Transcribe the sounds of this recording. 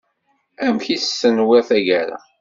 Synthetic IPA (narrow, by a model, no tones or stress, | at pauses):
æmçissːənwæθæʝæɾæ̰